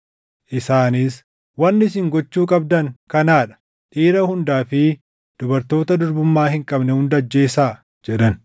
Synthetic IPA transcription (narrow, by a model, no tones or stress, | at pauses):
ʔɪsaːniːs | wɐnːɪs̬ɪŋɡɔt͡ʃːuːkʼɐb̚d̪ɐŋkɐnaːᶑɐ̥ | ᶑiːɾɐhʊnd̪aːfɪ | d̪̥ʊbɐɾt̪o̞ːt̪ɐd̪ʊɾbʊmːaːhɪŋkʼɐbnɛhʊnd̪ɐd͡ʒːe̞ːsaː | d͡ʒɛᶑɐn